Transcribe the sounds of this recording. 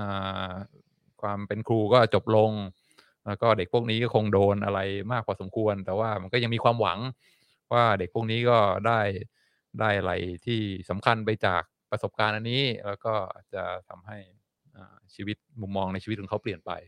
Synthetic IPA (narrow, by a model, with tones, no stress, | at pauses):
ʔaː˨˩ | kʰwaː˧mpe˧nkʰɾuː˧kɔː˥˩t͡ɕo˨˩p̚lo˧ŋ | lɛ˦˥wkɔː˥˩de˨˩k̚ʰu˥˩ək̚niː˦˥kɔː˥˩kʰo˧ŋdoː˧nʔa˧ɾa˧jmaː˥˩k̚pʰɔː˧so˩˦mkʰu˧ənt̪ɛː˨˩waː˥˩ma˧nkɔː˥˩ja˧ŋmiː˧kʰwaː˧mwa̰˩˦ŋ | waː˥˩de˨˩k̚pʰu˥˩k̚niː˦˥kɔː˥˩daː˥˩j | daː˥˩jʔa˧ɾa̰˧jt̪ʰiː˥˩sa˩˦mkʰa˧npa˧jt͡ɕa̰ː˨˩k̚pɾa˧so˨˩p̚kaː˧nʔa˧nːiː˦˥lɛː˦˥wkɔː˥˩ʔa̰ː˨˩t̪̚t͡ɕa˨˩t̪ʰa˧mɦa˥˩j | ʔaː˨˩t͡ɕʰiː˧wi˦˥t̪̚mu˨˩mːɔː˧ŋna˧jt͡ɕiː˧˦˥ɔː˨˦kʰpli˨˩ənpa̰˧j